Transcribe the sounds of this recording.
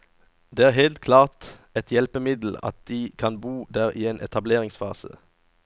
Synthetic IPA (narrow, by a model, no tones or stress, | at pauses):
d̪eːæːʁɦeːlt̪̚kʰlɑːʁt̪ | ɛt̪ʰjɛlpəmɪd̪l̩ɑ̰t̪̚d̪̥iːkʰɑnbuːd̪æːʁiːeːnʔɛ̰t̪ʰɑbleːʁɪŋsfɑ̰ːsə̰